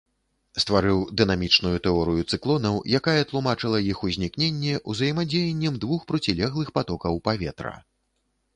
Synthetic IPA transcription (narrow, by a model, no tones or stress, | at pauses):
st̪vaɾɨwd̪ɨnamʲit͡ʂnujut̪ɛɔɾɨjut̪sɨklˠɔnɐwjakajɛt̪lˠumat͡ʂɨlˠɐjixuzʲnʲiknʲenʲːɛʔuzɐjɛmad͡zʲejɛnʲːɛmd̪vuxpɾɔt͡sʲilʲɛɣlˠɨxpat̪ɔkɐwpavʲɛt̪ɾɐ̰